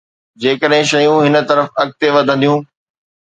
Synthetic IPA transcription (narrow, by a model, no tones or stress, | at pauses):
d͡ʑeːkəɗɦɪ̃ʃɐjũɦɪnə̆t̪ɐɾəfɐk̚t̪eʋɐd̪ʱə̃nd̪ijũː